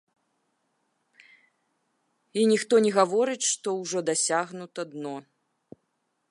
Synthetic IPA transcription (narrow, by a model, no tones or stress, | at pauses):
inʲixt̪ɔnʲɛɣavɔɾɨt͡sʲʂt̪ɔwʐɔd̪asʲaɣnut̪ɐd̪nɔ